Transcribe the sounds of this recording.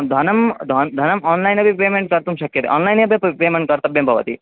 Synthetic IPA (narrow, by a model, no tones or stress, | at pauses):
d̪ʱɐnɐmd̪ʱɐnd̪ʱɐnɐmɔːnlajnɐbʱipeːmeɳʈ̚kɐɾt̪umɕɐkjɐt̪ḛʔɔ̰ːnlajnɐbʱippeːmeɳʈ̚kɐɾt̪ɐbjɐmbʱɐʋɐ̰t̪ḭ